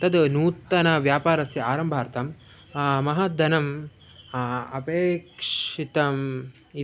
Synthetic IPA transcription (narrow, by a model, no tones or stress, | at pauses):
t̪ɐd̪nuːt̪ːɐnɐʋjaːpaːɾɐsjɐaːɾɐmbʱaːɾt̪ɐm | mɐɦɐd̪ɐnɐm | ɐ̰peːkʂit̪ɐm | i